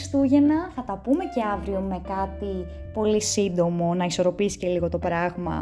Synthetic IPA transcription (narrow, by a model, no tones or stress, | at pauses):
st̪uʝe̞nɐθɐt̪ɐpume̞ce̞ɐvɾio̞me̞kɐt̪i | po̞lisind̪o̞mo̞nɐiso̞ɾo̞pisce̞liɣo̞t̪o̞pɾɐɣmɐ̰